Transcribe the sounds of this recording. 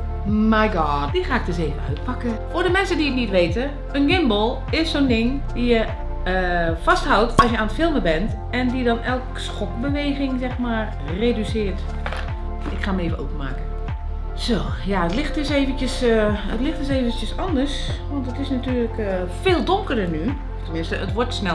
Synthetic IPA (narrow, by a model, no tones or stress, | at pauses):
majɡɔtd̥ixaːɪk̚døseːvənœ̰ɥt̚pʰakəfʊːdəmɛnsədiətnitʋeːtə | ənɡɪmbəlˠ | ɪssondɪŋdijə | əfasthʌwtɔsjəaːnətfɪlˠməbɛnt | ɛndidɔnɛlˠksxɔkbəʋejɣɪŋzɛxmaːr | reːdysɪərt | ɪkxaːməeːvəno̰pəma̰ːkə | soː | jaətlɪxtɪseːvəntjəsətlɪxtɪseːvəntjəsɔndərs | ʋɔntətɪsnatyːrlək | feːlˠdʊŋkərdəny | ftəmɪnstəətʋoɹtsnɛ